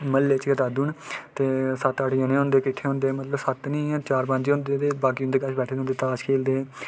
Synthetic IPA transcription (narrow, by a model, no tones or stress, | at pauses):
məlːeːt͡ʃɡət̪aːd̪uːnt̪eːsət̪aːʈɪjãːnẽːõːnd̪eːkɪʈʰːeːɦõːnd̪eːmət̪ləbsət̪nĩːɛ̃ːt͡ʃaːɾpə̃ɲd͡ʒõːnd̪eːt̪eːbaːkiːʊ̃nd̪eːkat͡ʃʰbɛːʈʰd̪eõːnd̪eːt̪aːd͡ʒkʰeːld̪eː